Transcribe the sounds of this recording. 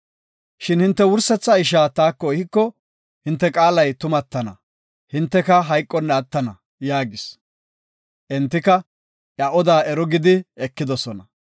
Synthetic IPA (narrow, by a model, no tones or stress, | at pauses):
ʃɪnhɪnt̪ːɛwʊɾsɛt͡sːɐɪʃaːt̪aːkːɔɪhɪkːɔ | hɪnt̪ːɛkʼaːlɐjt̪ʊmɐt̪ːɐnɐ̰ | hɪnt̪ːɛkɐɦɐjkʼːɔnːɛɐt̪ːɐnɐ | jaːɡɪs | ʔɛnt̪ːɪkɐ | ʔjɐʔɔd̪aːɛɾɔɡɪd̪ɪɛkːɪd̪ɔsɔnɐ